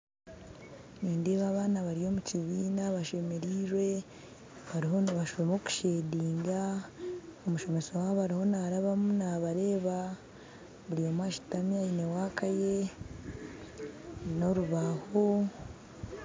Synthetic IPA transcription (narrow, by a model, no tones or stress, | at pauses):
niːndeβaːβaːnaβaɾijo̞ːmuciβiːnaβaʃe̞me̞ɾiːɾwe̞ | βaɾiɦo̞naβaʃβemo̞ku̥ʃeːdiːŋɡa | omuʃo̞mesowaːββaɾiho̞naːɾaβamunaβaɾe̞ːβa | βuɾijo̞mwaʃi̥tamiaine̞waːkaje̞ | no̞ɾuβaːho̞